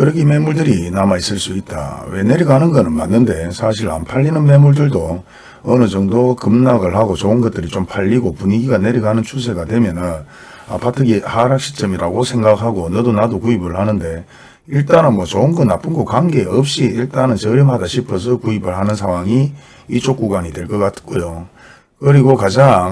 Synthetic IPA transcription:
kɯɾʌkʰime̞muɭdɯɾinamais͈ɯɭs͈uit̚t͈a̰we̞ne̞ɾiɡanɯnɡʌnɯnma̰nːɯnde̞sʰaɕ̬ʰiɾa̰npʰaʎːinɯnme̞muɭdɯɭdo | ʌnɯd͡ʑʌŋdokɯmnaɡɯɭhaɡot͡ɕoɯnɡʌt̚t͈ɯɾit͡ɕompʰaʎːiɡopuɲiɡiɡane̞ɾiɡanɯnt͡ɕʰus̬ʰe̞ɡadwe̞mjʌnɯn | apatʰɯɡihaɾakɕ͈ʰi̥t͡ɕ͈ʌmiɾaɡosʰe̞ŋɡakɦaɡonʌdonadokuibɯɭhanɯnde̞ | iɭt͈anɯnmwʌt͡ɕoɯnɡʌnnːap͈ʰɯnɡokwaŋɡeʌp̚ɕ͈iiɭt͈anɯnt͡ɕʌɾjʌmɦadaɕʰipʰʌs̬ʰʌkuibɯɭɦanɯnsʰaŋwaŋi | it͡ɕok͈uɡwaɲidwe̞ɭk͈ʌk͈atk͈ojo | kɯɾiɡokad͡ʑaŋ

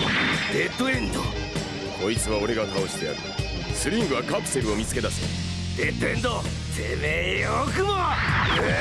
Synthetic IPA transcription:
d̪et̪oẽnt̪o̰ | kʰo̞it͡sɨβao̞ɾe̞ɡakao̞ɕid̪e̞a̰ɾɯ̟ | sɨɾʲĩŋɡɯ̟βakakɯ̟se̞ɾɯ̟o̞mʲit͡sɨ̥ke̞d̪ase | d̪̥et̪oẽnd̪o | semeokɯmo

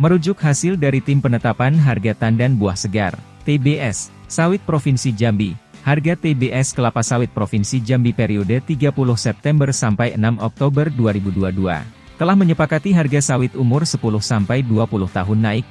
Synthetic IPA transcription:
məɾud͡ʒʊk̚hasɪldaɾit̪ɪmpənət̪apanɦarɡat̪andanbuahsəɡa̰r | t̪ebeʔɛsːawɪt̪̚pɾofinsid͡ʒambiharɡat̪ebeʔɛskəlapasawɪt̪̚pɾofinsid͡ʒambipeɾiodət̪iɡapulʊhsɛp̚t̪ɛmbərsampajənamɔk̚t̪obərduaɾibuduadua̰ | t̪əlahməɲəpakat̪iɦarɡasawɪt̪umʊrsəpulʊhsampajduapulʊht̪aɦʊnːaɪk̚

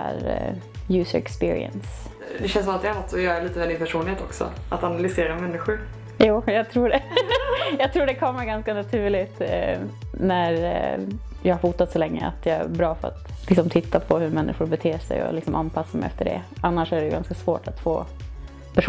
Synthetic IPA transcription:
æ̰ɾ | jʉ̟ːsəɾɛkspɪːɾɪ̰ɛ̰ns | d̪ɛɕɛnsɔmat̪jɪahat̪ːɔjɑːɡæɭiːt̪əmɛd̪ɪnpʰæʂuːnlɪeːt̪ɔ̰ksɔ̰ʔat̪analʏseːɾamɛnːɪɧʊɾ | juːjɑːɡt̪ʰɾuːɖɛ | jɑːt̪ʰɾuːɖɛkʰɔmːaɾɡanskanat̪ʰʉ̟ːɭɪt̪ | næɾ | jɑɡhaɾfuːt̪at̪sɔlɛŋːə̰a̰t̪jɑːæ̰ɾbɾɑːfœɾa̰t̪lɪksɔmt̪ʰɪt̪ʰːapʰɔhɵɾmɛnːʔɪ̰ɧʊɾbɛt̪ʰeːʂɛ̰jɔ̰lɪksɔmʔanpʰasːamɛɪjɛft̪əɖɛ̰anːaʂæɖɛɡanskasvoːʈʰat̪ːfo̰ː | pʰæʂ

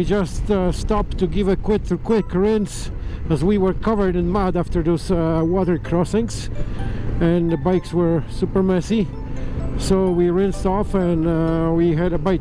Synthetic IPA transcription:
wid͡ʒʌststɑp̚tʰuɡɪvɨkʰw̥ɪtkʰw̥ɪkɹɪ̃ns | əzwiwə˞kʰʌvə˞ɾɨ̃nmadæftə˞ðozwɔɾə˞kʰɹɔsɪ̃ŋz̥ | ɨ̃nðəbaɪkswə˞supə˞mɛsi | soʊwiɹɪ̃nstɔfɨ̃nwiɦɨɾəbaɪ

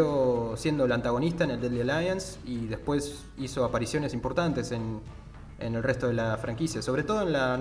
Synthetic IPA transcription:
osje̞nd̪oelant̪aɣ̞o̞nist̪aeneld̪eld̪elajans | iðehpwe̞s | iso̞apaɾisjo̞ne̞simpo̞ɾt̪ant̪e̞sen | enelrest̪oð̞e̞lafɾaŋkisjaso̞βɾe̞t̪o̞ð̞oenlan

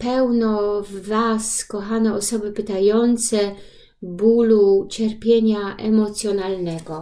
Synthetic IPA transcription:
pɛwnɔvːaskɔxanɛɔsɔbɘpɪt̪ajɔnt̪sɛ | bulut͡ɕɛɾpʲjɛɲaʔɛmɔt̪sʲjɔnalnɛɡɔ

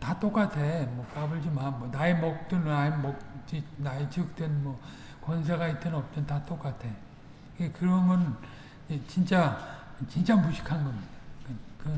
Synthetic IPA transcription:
tat͈ok͈atʰemwʌk͈abɯɭd͡ʑimanmwʌnaemʌk̚t͈ɯnnaemʌk̚t͡ɕinaet͡ɕik̚t͈wenmwʌ | kwʌns̬ʰeɡait͈ʰennʌp̚t͈ʌntat͈ok͈atʰe̞ | iɡekɯɾʌŋɡʌn | et͡ɕint͡ɕ͈at͡ɕint͡ɕ͈amuɕʰi̥kʰanɡʌmid̥ḁkekɯʌ

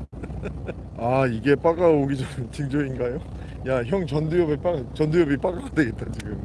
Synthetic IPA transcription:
aiɡe̞p͈aɡaoɡid͡ʑʌnɯt͡ɕiŋd͡ʑoinɡajo | jaçjʌŋt͡ɕʌndujʌbep͈at͡ɕʌndujʌbip͈aɡadwe̞ɡe̞t͈̚at͡ɕiɡɯm

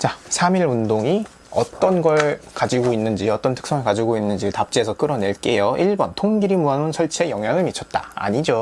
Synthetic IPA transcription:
t͡ɕasʰamiɭundoŋi | ʌt͈ʌnɡʌɭkad͡ʑiɡoinːɯnd͡ʑiʌt͈ʌntʰɯ̥k̚s͈ʌŋɯɭkad͡ʑiɡoinːɯnd͡ʑitap̚t͡ɕ͈iesʰʌk͈ɯɾʌne̞ɭk͈e̞joʔiɭbʌntʰoŋɡiɾimuanɯnsʰʌɭt͡ɕʰejʌŋɦjaŋɯɭmit͡ɕʰʌt̚t͈aa̰ɲid͡ʑo

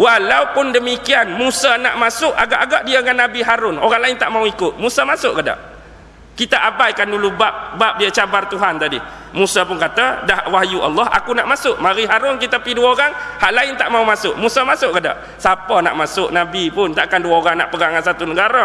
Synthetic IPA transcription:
wahlawpʊndəmikianmusanaʔmasʊʔaɡaʔaɡaʔ̚diəŋanːabiɦaɾʊnoɾaŋlaɪnt̪aʔmauikʊt̪̚musamasʊʔkada̰ʔ | kit̪aʔabajkandulubap̚bap̚diat͡ʃabart̪uɦant̪adi | musapʊnkat̪adahwahjuʔa̰lˠːɔha̰kunaʔmasʊʔmaɾiɦaɾʊnkit̪əpiduəoɾaŋhaʔlaɪnt̪aʔmaumasʊʔmusamasʊʔkada̰ʔ | sapəna̰ʔmasʊʔnabipʊnt̪aʔkanduaoɾaŋna̰ʔpəɡaŋansat̪unəɡaɾa

